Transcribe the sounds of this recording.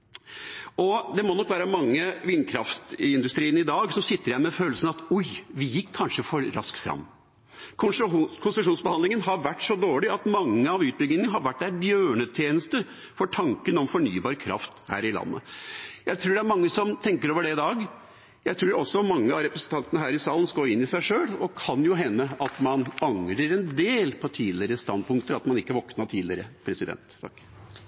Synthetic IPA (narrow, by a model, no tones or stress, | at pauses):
ɔd̪ɛmɔnɔkːʋæːɾəmɑŋːəʋɪnkʰɾɑ̰ft̪ɪnd̪ʉst̪ɾiːənɪd̪ɑːɡsɔsɪt̪ːəɾjæɪmɛføːlsən̩ɑt̪ɔjʋɪjɪkʰːɑnʂəfɔɾːɑ̰skt̪fɾɑ̰mː | kʰʊnsɾʂuːnsbəhɑnd̪lɪŋənɦɑɾʋæʈːsɔd̪oːɭɪɑt̪mɑŋːəɑʋʉːt̪̚bʏɡnɪŋənəɦɑɾʋæʈːæbjøːɳət̪ʰjeːnəst̪ə | fɔʈʰɑŋkənɔmfɔɳyːbɑːɾkʰɾɑ̰ft̪hæ̰ːɾɪlɑ̰nːə̰jæɪt̪ʰɾuːɖɛæɾmɑŋːəsɔmt̪ʰɛŋkəɾoːʋəɖɛɪd̪ɑːɡ | jæɪt̪ʰɾuːɔsːɔmɑŋːəɑɾɛpɾəsən̩t̪ɑnt̪ənəɦæːɾɪsɑːlən̩skoɪnːɪsæɪʂøːlɔkʰɑnjʊɦɛnːəɑt̪mɑnɑŋɾəɾɛnd̪eːlpʰɔt̪ʰiːd̪lɪɾəst̪ɑnd̪̚pʰʊŋkt̪əɾɑt̪mɑnɪkːəʋɔknɑt̪ʰiːd̪lɪ̰ɾəpʰɾɛsɪd̪ɛ̰nt̪ʰːɑ̰kː